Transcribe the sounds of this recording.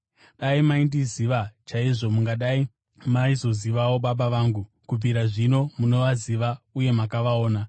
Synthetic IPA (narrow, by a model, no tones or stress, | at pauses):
ɗaimaindiziʋat͡ʃaiʐo̞muŋɡaɗai | maizo̞ziʋawo̞ɓaɓaʋaːŋɡu | kub͡viɾaʐino̞muno̞ʋaziʋauje̞makaʋaoːna